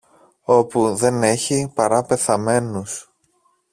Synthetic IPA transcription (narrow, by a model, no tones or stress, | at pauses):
o̞puðe̞ne̞çipɐɾɐpe̞θɐme̞nus